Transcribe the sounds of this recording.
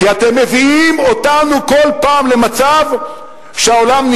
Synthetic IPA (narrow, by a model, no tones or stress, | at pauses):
kiat̪e̞mːe̞viimo̞tanuko̞lpaːmle̞mat͡sav | ʃeaolamn